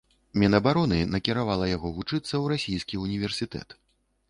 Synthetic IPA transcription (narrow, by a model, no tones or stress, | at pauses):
mʲɛnɐbaɾɔnɨnɐkʲiɾavalˠɐjaɣɔvut͡ʂɨt̪sːɐwɾasʲijskʲiunʲivʲɛrsʲit̪ɛ̰t̪